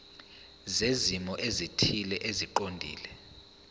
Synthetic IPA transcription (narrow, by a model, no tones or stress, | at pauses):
zezimɔʔezitʰilɛʔeziǃondʱḭːlɛ